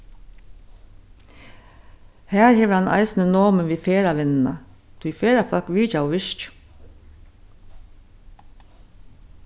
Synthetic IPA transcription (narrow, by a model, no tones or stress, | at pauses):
hæːɹheːʋəhɑnʔɑ̰ɪsnənoːmənʋiːfeːɹaʋɪnna̰ | t̪ʰʊjfeːɹafɑkʋiːcawʋɪʃc